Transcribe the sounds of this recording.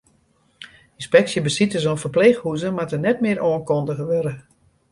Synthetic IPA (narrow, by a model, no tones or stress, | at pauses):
ĩnspɛksjəbəsitəzonfərplexhuzəmatənɛtmɪəɾʔoənkondəɣəʋøɾə